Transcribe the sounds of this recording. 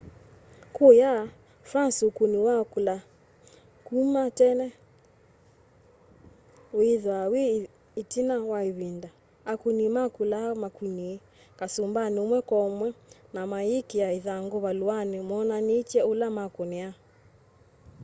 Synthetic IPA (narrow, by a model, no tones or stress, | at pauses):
kuja | fansukuniwakula | kumatɛnɛ | wiðwawi | itinawaiβinda | akunimakulamakuni | kasumbanumwɛkɔmwɛnamaikijaiðaŋɡɔβaluwanimɔnanit͡ʃɛulamakɔnia